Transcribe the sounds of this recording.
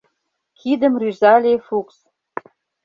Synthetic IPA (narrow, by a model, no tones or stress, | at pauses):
kʰid̪ə̆mryzɑlʲefuks